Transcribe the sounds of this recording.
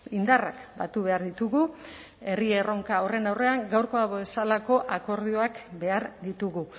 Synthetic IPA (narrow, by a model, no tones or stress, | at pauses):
ind̪ara̰kbat̪uβe̞aɾðit̪uɣu | e̞riero̞ŋkao̞re̞nawre̞aŋɡawɾko̞aβesalako̞ʔako̞ɾð̞ioakbe̞aɾd̪it̪uɣu